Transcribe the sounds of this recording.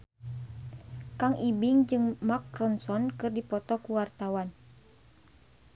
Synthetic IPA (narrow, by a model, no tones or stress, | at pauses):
kaŋʔibiŋd͡ʒɨŋmakɾɔnsɔnkɨrdipɔt̪ɔkuwart̪awan